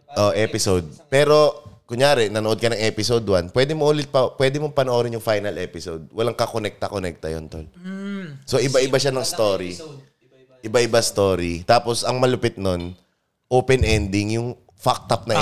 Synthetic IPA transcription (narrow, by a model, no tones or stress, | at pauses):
ʔoʔɛpɪsowd̪̚pɛːɾo̞kʊŋjaːɾɛnɐnoʔo̞d̪̚kɐnɐŋʔɛːpɪsowd̪wɐnpwɛd̪ɪmoʔuːlɪt̪̚pɐpwɛːd̪ɪmopɐnoʔoːɾɪnjʊŋfajnɐlʔɛːpɪsowd̪̚wɐlaŋkɐkonɛk̚t̪ɐkonɛk̚t̪ɐjo̰nt̪o̰l | so̞ʔɪbaʔɪbaʃanɐŋst̪oːɾi | ʔɪbaʔɪbast̪oːɾit̪aːposɐŋmɐlʊpɪt̪̚no̞n | ʔoːpɛnʔɛnd̪ɪŋjʊŋ | fak̚t̪ɐp̚nɐ